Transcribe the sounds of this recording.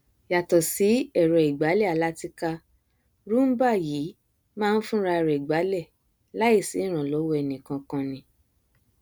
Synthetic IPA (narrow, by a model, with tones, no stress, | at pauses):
ja˨tɔ˨si˨˦ɛ˦˨ɾɛ˨i˨ɡ͡ba˨˦lɛ˦˨a˨la˨˦ti˧ka˧ | ɾu˦m̩˦ba˦˨jiː˨˦ | mãː˦˧n̩˦fũ˦˧ɾa˧ɾɛ˨i˨ɡ͡ba˨˦lɛ˦˨ | la˦i˦˨si˨˦ɾ̃ã˨lo˨˦wo˦ɛ˧˨nĩ˨kã˧kã˧nĩ˧˦